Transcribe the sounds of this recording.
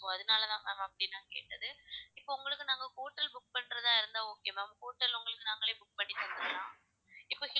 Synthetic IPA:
oɐðɯnaːlɐt̪ãːa̰ːmːɐpːɐɽɪnːãːkḛːʈːɐðɯɪpːoʊŋɡɐɭɯkːɯnaːŋɡɐkuːʈːɐlbʊk̚pɐɳːɾɐðaːɪɾɯnd̪aːoːkːejɐmɐmɐkuːʈːɐlʊŋɡɐɭɯkːɯnaːŋɡɐɭeːbʊk̚pɐɳːɪt̪ːɐnd̪ɯlãː | ɪpːoːɪ

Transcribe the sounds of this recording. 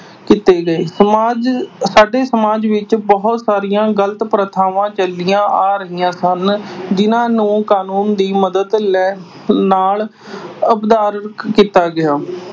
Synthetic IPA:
kɪt̪eːɡəeːsəmaːd͡ʒsaːɖeːsəmaːd͡ʒʋɪt͡ʃbəɦʊt̪saːɾɪjãːɡələt̪pɾət̪ʰaːʋãːt͡ʃəlːɪjãːʔaːɾəɦijãːsənd͡ʒɪnãːnũːkaːnuːnd̪iːməd̪əd̪lɛː | naːl | əpd̪aːɾkit̪aːɡɪjaː

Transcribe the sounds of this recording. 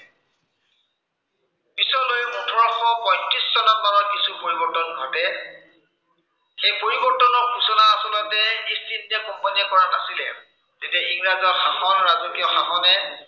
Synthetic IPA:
pisɔlojmutʰɔɹɔxɔpɔj̃tɹiszɔnakaɹɔkisupoɹibɔɹtɔnɡʱɔtɛ | xejpoɹibɔɹtɔnɔɹkusɔnaːsɔlɔtɛistitːɛkɔmpɔniɔkɔɹanasilɛ̰ | zetiɔiŋɹazɔxaxɔnɹaznikijɔxaxɔnɛ

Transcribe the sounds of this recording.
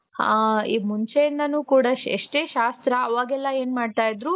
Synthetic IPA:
ḭmuɲt͡ʃejind̪ɐnuːkuːɽɐḛʂʈeːʃaːst̪ɾɐɐʋaːɡɛlːɐe̞ːnmaːɖt̪aːjid̪ɾu

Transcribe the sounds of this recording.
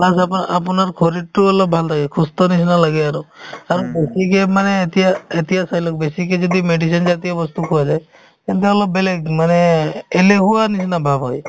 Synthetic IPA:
asapapɔnaɾkʰoɾiʈ̚ʈuɔlɔbbʱalt̪ʰaɡekʰust̪ɔnisinalaɡeaɾuaɾubesikemanet̪iaet̪ijasajlɔkbesiked͡ʒɔd̪imeɖisɔnd͡ʒat̪ijabɔst̪ukʰuad͡ʒaj | kent̪̬eɔlɔbelemaneːleɦuanisʰinabʱabɔj

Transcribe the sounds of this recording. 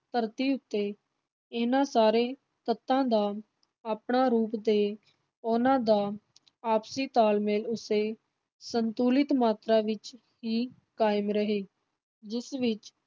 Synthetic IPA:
t̪əɾt̪iːʊt̪ːeː | ɪnãːsaːɾeː | t̪ət̪ːãːd̪aː | aːpɳaːɾuːpd̪eː | ʊnãːd̪aː | aːpsiːt̪aːlmeːlʊseː | sənt̪uːlɪt̪maːt̪ɾaːʋɪt͡ʃ | ɦiː | kaːɪmɾəɦeː | d͡ʒɪsʋɪt͡ʃ

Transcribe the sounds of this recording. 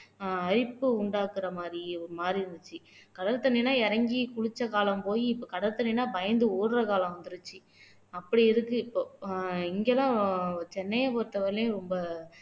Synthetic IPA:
ɐɾɪpːɯʊɳɖaːkːɯɾɐmaːd̪ɾiɔɾɯmaːd̪ɾiɾɯnd̪ɯt͡ʃːɯkɐɽɐɾt̪ɐɳːinaːɛɾɐŋɡikʊɻɪt͡ʃːɐkaːlɐmpoːjiɪpːoːkɐɽɐɾt̪ɐɳːɪnaːbɐjɐnd̪ɯoːɾɾɐkaːlɐ̃mʋɐnd̪ɯɾɯt͡ʃːɯ | ɐpːɐɽiɪɾɯkːɯɪpːoːɪŋɡɛlãːt͡ʃɛnːɐjɐpoːɾt̪ːɐʋɐɾlj̃ɾɔmbɐ

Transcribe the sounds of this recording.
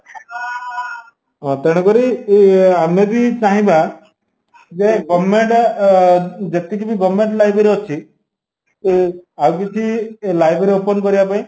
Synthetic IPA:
ɔ̃t̪ɛɽ̃ɔkɔɾi | amebit͡ʃaɦĩbʱa | d͡ʒeɡɔmːeɳʈ | d͡ʒet̪ikibiɡɔmːeɳʈlajbeɾiɔt͡ʃʰi | awk̬it͡ʃʰilajbʱeɾiopɔnkɔɾijapãĩ

